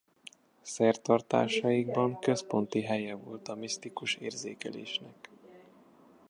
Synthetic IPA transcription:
sɛrt̪ɒrt̪a̰ːʃɒjiɡbɒŋkø̞spo̞nt̪iɦɛjɛvo̞lt̪ɒmist̪ikuʃḛːrzeːkɛleːʃnɛk

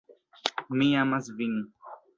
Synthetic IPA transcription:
mĩjamasvinĩ

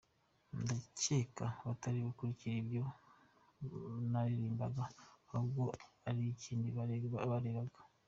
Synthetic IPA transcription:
ndaceːkaβataɾiβakuɾiciɾibjo̞ | naɾiɾiːmba̰ɡaauβɡo̞aɾiciːndiβaβaɾeɾaɡa

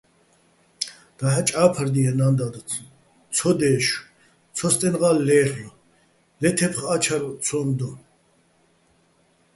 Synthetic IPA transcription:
d̪̥aħat͡ʃʼaːpʰaɾd̪ijanand̪ad̪ɔ | t͡sʰɔd̪ɛːʃ | t͡sʰɔst̪ʼɛnʁalːɛːχlɔ | lɛt̪ʰɛpχat͡ʃʰaɾɔt͡sʰɔnd̪ɔ

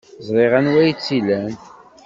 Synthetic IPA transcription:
zˤɾˤɪʁænwæjt͡sːilæn

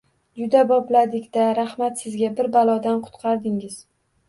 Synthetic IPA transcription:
d͡ʒʊd̪abɒblad̪ɪkʲd̪aɾahmat̪sɪzɡʲabɪɾbalˠɒd̪anqʰʊ̥t̪qʰɑɾd̪ɪŋɪz̥

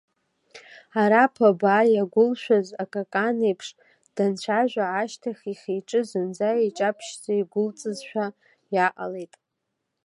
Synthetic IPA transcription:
aɾapʰabaːjaɡʷʊlʃʷᶣazakʼakʼanejpʰʂ | d̥ant͡ɕʷʰaʒᶣʷaːʃtʰaχʲiχʲejʈ͡ʂʼɨzɨnd͡zaeʈ͡ʂʼapʰʃt͡saiɡʷʊlt͡sʼɨzʃʷᶣa | jaʔʼa̰lejtʼ

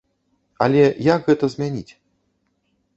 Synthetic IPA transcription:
ɐ̰lʲɛjaɡɣɛt̪ɐzʲmʲanʲit͡sʲ

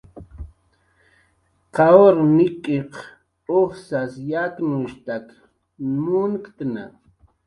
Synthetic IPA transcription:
qɑoɾnɪkʼeq | oχsasjak̪nʊʃt̪ak | mʊnkt̪na̰

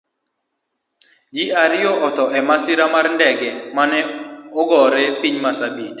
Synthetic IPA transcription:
d͡ʒiʔaɾɪjɔɔt̪ɔʔɛmasiɾamarndɛɡɛmanɛɔɡɔɾɛpiɲmasabid

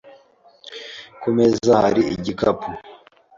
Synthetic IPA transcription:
komezahaɾiḭɟikapʰu

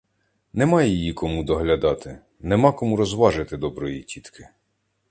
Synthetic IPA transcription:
nɛmɑjjijikɔmud̪ɔɦlʲɐd̪ɑt̪ɪ | nɛmɑkɔmuɾɔzʋɑʒɪt̪ɪd̪ɔbɾɔjitʲit̪kʰɪ

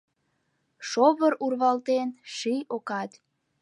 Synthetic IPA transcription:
ʃoβəɾurβɑlt̪enʃijokɑt̪

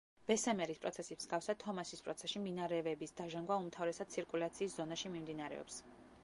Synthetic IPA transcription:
b̥ɛsɛmɛɾispʼɾɔ̰t̪sʰɛsimsɡafsat̪ʰɔmasispʼɾɔt̪sʰɛʃimd̪inaɾɛvɛbisd̪aʒaŋɡwaumt̪ʰavɾɛsad̪̥̚t̪sʰiɾkʼulat̪sʰiːszɔnaʃimimd̪inaɾɛ̰ɔ̰ps

